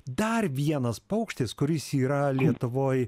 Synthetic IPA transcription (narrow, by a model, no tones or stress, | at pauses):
d̪ɐrʋʲiɛnɐspɐʊkʃʲt̪ʲɪskʊɾʲɪsiːɾɐlʲiɛt̪ʊʋoːj